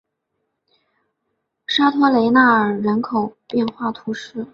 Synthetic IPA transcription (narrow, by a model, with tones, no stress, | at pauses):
ʂa˥t̪ʰwɔ˥le˧˥ɪna˥˩ə˞˨˩ɻə˧˥nkʰo˨˩ʊpjɛ˥˧nxwa˥˩t̪ʰu˧˥ʂɻ̩˥